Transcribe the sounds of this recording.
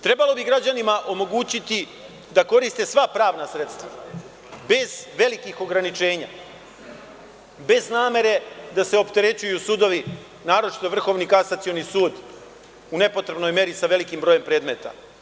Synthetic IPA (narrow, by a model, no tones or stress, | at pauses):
t̪ɾe̞balo̞biɡɾad͡ʑanimaʔo̞mo̞ɡuːt͡ɕit̪i | d̪ako̞ɾist̪e̞sʋapɾaːʋnasɾe̞t̪st̪ʋa | be̞zʋe̞likixo̞ɡɾanit͡ʃe̞ːɲa̰ | be̞znaːme̞ɾe̞d̪ase̞o̞pt̪e̞ɾe̞t͡ɕujusuːd̪o̞ʋi | naːɾo̞t͡ʃi̥t̪oʋr̩xo̞ʋnikasat̪sio̞nisuːd̪ | une̞po̞t̪ɾe̞bno̞jme̞ɾisaʋe̞likimbɾo̞je̞mpɾe̞ːd̪me̞t̪a̰